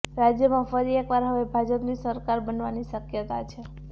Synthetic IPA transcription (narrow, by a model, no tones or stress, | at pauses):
ɾad͡ʒjəmãfəɾiekʋaɾɦəʋebʱad͡ʒəpnisəɾkaɾbənʋaniʃəkjət̪at͡ʃʰe